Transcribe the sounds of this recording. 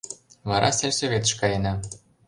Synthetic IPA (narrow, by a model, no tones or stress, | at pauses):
vɑɾʔɑ̰sʲelʲsovʲet̪ə̆ʃkɑjɘnɑ